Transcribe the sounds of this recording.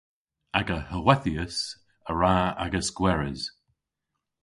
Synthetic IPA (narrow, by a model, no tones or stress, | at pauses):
aɡəhəwɛθiəs | əɹaa̰ɡəskwɛɹɪ̰z̥